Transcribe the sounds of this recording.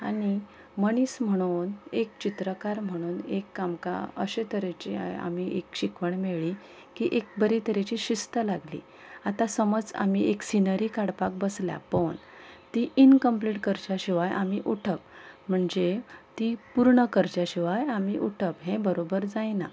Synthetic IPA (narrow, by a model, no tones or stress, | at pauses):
aɽ̃i | məɽ̃iːsm̤əɽ̃uːnek̚t͡ɕit̪ɾəkaɾm̤əɽ̃uːnekːamka̰əɕet̪əɾet͡ɕea̰a̰miʔekɕikʋəɳmeɭi | kiʔek̚bəɾit̪əɾet͡ɕiɕist̪əlaɡlḭː | at̪asəməd͡za̰mieksinəɾiːkaɽpak̚bəslja̰pəɳ | t̪iinkəmpliʈkəɾt͡ɕjaɕiʋajʔamiʔuʈʰək̚m̤əɳd͡zet̪ipuɾɳəkəɾt͡ɕjaɕiʋajamiʔuʈʰəpɦẽbəɾobəɾd͡zajna